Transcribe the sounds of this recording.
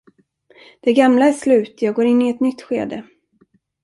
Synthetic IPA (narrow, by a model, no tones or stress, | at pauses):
d̪̥ɛɡamlaæʂlʉ̟ːt̪jɑːɡoːɾɪnːɪɛt̪nʏt̪ːɧḛːd̪ə